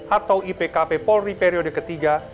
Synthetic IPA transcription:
ʔat̪awʔipekapepɔripeɾiɔdəkət̪iɡa

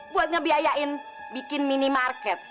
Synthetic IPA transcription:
buat̪̚ŋabiajaʔɪn | bikɪnminimarkɛt̪̚

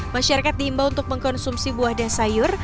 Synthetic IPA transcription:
maʃaɾakat̪̚dihimbaunt̪ʊk̚məŋkɔnsumsibuahdansajʊr

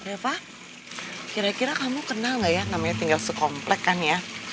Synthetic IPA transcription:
ɾepah | kiɾakiɾakamukənalŋɡaʔjanamaɲat̪iŋɡalsəkɔmplɛkːanja

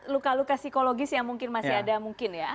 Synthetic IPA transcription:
lukalukasikoloɡɪsjaŋmuŋkɪnmasiadamuŋkɪnja

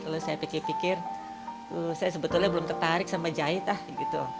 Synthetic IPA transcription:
kalosajapikɪrpikɪr | əsajasəbət̪ʊlɲabəlʊmt̪ərt̪aɾɪk̚samad͡ʒaɪt̪ahɡit̪u

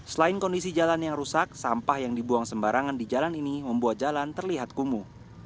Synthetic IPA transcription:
səlaɪnkɔndisid͡ʒalanjaŋrusak̚sampahjaŋdibuaŋsəmbaɾaŋandid͡ʒalaniniməmbuat̪̚d͡ʒalant̪ərliɦat̪̚kumu

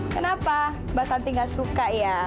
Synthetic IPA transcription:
kənapa | basant̪iŋɡaʔsukaja

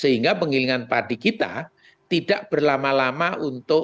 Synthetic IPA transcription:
səɦiŋɡapəŋiliŋanpadikit̪a̰ | t̪idaʔb̥ərlamalamaʔunt̪ʊʔ

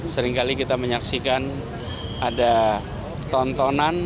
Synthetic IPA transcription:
səɾiŋkalikit̪aməɲaksikan | ada | t̪ɔnt̪ɔnan

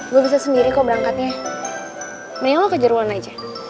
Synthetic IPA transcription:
ɡuabis̬asəndiɾikaubəɾaŋkat̪̚ɲa | məniŋalɔkəd͡ʒəɾuanad͡ʒa

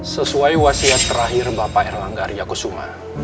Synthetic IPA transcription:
səsuajwasiat̪ːəɾaɦirbapaɛrlaŋɡarjakosuma̰

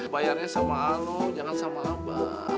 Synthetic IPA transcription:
bajarɲasamanod͡ʒaŋansamaaba̰

